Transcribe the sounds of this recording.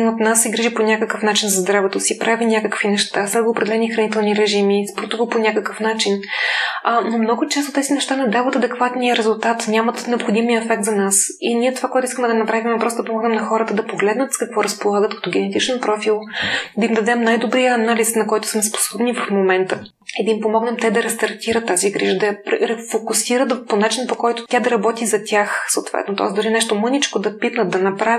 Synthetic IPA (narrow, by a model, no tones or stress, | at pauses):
mot̪nasɛɡɾiʒiponʲakəkəfnat͡ʃinzɐzd̪ɾavɛt̪osipɾʔavinʲakəkvinɛʃt̪asɛɡoːpɾɛd̪ɛlɛnixɾɐnit̪ɛlˠniɾɛʒimispɾot̪uvəponʲakəkəfnat͡ʃin | nomnɔɡʊt͡ʃɛst̪ot̪ɛzinɛʃt̪anɛd̪avət̪ɐd̪ɛkvat̪nijəɾɛzulˠt̪at̪nʲamət̪nɛopxod̪imiəɛfɛk̚t̪zɐnasinʲiɛt̪ovakoɛt̪ʊiskəmɛd̪ɐnɐpɾavimɛpɾɔst̪d̪pomɔɡnɛmnɐxɔɾət̪əd̪ɐpoɡlɛd̪nət̪skɐkvɔɾəspolˠaɡət̪kɐ̥t̪ɔɡʲɛnɛt̪it͡ʃnɛnpɾɔfilˠd̪ɐimd̪ɐd̪ɛmnajd̪obɾijəːnalisnɐkɔjt̪ʊ̥smɛspo̥sɔbnivɐfmomɛnt̪ə | id̪ɐimpomɔɡnɛmt̪ɛd̪ɐɾɐst̪ɐɾt̪ʲiɾət̪ːaziɡɾḭʒəd̪ɐjɐpɾɛɾɛfokʊsiɾət̪ponat͡ʃinpokɔjt̪ʊ̥t̪ʲad̪ɐɾɐbɔt̪izɐt̪ʲaxsoːt̪vɛ̰t̪not̪ɔ̰ɛsd̪ʊɾinɛʃt̪omɤnit͡ʃkod̪ɐpit̪nət̪̚d̪ɐnɐpɾav